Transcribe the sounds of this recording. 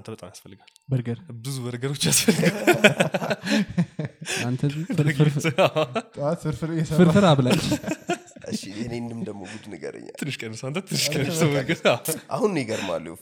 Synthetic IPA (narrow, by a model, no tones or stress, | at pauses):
ant̪ʰəbət̪ʼamjasfəlːɨɡal | bəɾɡəɾbɨzubəɾɡəɾo̞t͡ʃːjasfəlːɨɡ | ant̪ʰəfɨɨɾasɨɾfɨɾjɛsɨɾfɨɾaβlaɲː | ɨʃːɪhnend̪ɨmd̪əmmoɡud̪nəɡə̰ɾə̰ɲːa̰t̪ʰːɨnːɨʃkʼənəsəant̪ʰət̪ʰɨnːɨʃʼənəsəməɾɡəsaʔahunneɡəɾma̰lːṵ